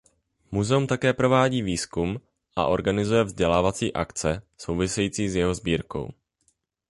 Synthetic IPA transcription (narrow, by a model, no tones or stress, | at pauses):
muzɛumt̪akɛːpɾo̞vaːɟiːviːskum | ʔa̰ʔo̞ɾɡanɪzujɛvzɟɛlaːvat͡siːʔa̰kt͡sɛso̞wvɪsɛjiːt͡siːzjɛɦo̞zbiːɾko̞̰w